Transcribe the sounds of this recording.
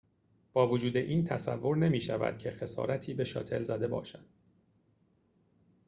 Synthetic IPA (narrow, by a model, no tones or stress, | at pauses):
b̥ɒːvod͡ʒuːd̪e̞ʔiːnt̪ʰæsæ̰vːo̞ɾne̞miːʃævæ̰d̪̥̚cʰe̞xe̞sɒ̰ːɾæt̪ʰiːbe̞ʃɒ̰ːt̪ʰe̞lzæd̪e̞bɒ̰ːʃæd̪̥